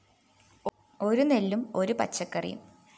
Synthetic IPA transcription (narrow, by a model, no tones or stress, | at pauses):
o̞ɾunelːumo̞ɾupɐ̰tt͡ɕːɐkːɐrḭjṵm